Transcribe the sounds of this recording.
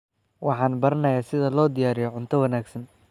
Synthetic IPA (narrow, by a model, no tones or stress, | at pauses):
wɑħɑːnbɐɾɐnɐjaːsɪðɐlɔːd̪ɪjaːɾɪjɔʕʊnt̪ʰɐwɐnaːɡsɐn